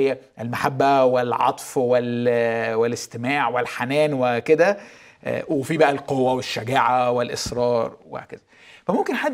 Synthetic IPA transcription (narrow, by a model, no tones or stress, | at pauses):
jːæʔelmaħabːæwelʕɑ̰t̪ˤfwelwelɪst̪emaːʕwelħanæːnweked̪æ̰ | wefiːbæʔælqowːæweʃːæɡaːʕawelʔesɾˤɑːɾˤwḛkez̥æ | fæmomkenħad̪